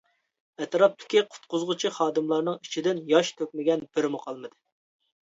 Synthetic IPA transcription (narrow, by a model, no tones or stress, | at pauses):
ɛt̪ɾɑp̚t̪ʰɪ̥kʲiqʰʊ̥t̪qʊzʁʊt͡ʃʰiχɑːd̪ɨmlˠɑɾnɨŋi̥t͡ʃʰid̪ɪnjɑʃt̪ʰøkʲmɪɡʲɛnb̥ɪɾmʊqʰɑlˠmɨd̪ɨ